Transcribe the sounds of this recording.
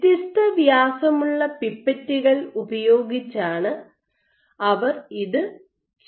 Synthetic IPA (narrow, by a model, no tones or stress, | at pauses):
t̪ist̪ɐʋjaːsɐmuɭːɐpipːɐtːiɣɐɭubɐjo̞ːɡit͡ɕːaːɳɨ | ɐʋɐriðɨ | t͡ɕ